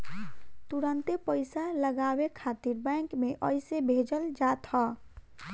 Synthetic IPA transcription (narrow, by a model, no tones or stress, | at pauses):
t̪uɾənt̪epəjsaləɡabekʰat̪iɾbə̃ŋkmeʔəjsebʱed͡ʒəld͡ʒat̪ʰʌ